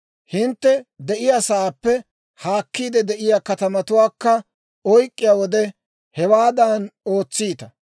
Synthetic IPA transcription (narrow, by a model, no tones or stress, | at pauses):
hɪnt̪ːɛd̪ɛʔɪjaːsaːpːɛ | haːkːiːd̪ɛd̪ɛʔɪjaːkɐt̪ɐmɐt̪ʊwaːkːɐ | ɔjkʼːɪjaːwɔd̪ɛ | hɛwaːd̪ano̞ːt͡sːiːt̪ɐ